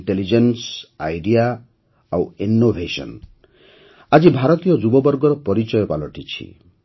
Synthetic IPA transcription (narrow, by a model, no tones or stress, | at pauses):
ʈelid͡ʒensajɖia | awinːobʱesɔ̰n | ad͡ʒibʱaɾɔt̪ijɔd͡ʒubɔbɔɾɡɔɾɔpɔɾit͡ʃɔjɔpalɔʈit͡ʃʰḭ